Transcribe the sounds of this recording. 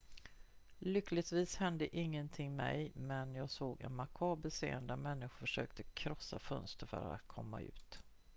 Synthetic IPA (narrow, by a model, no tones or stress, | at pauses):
lʏklɪt̪viːshɛnd̪əʔɪŋːənt̪ʰɪŋːmɛjmɛnjɑːɡsoːɡɛ̰nmakʰɑːbəlsḛːənd̪æɾmɛnːɪɧʊɾfœʂø̰ːkt̪ʰəkʰɾɔsːafœnst̪əɾfœ̰ɾa̰t̪kʰɔmːaʉ̟ːt̪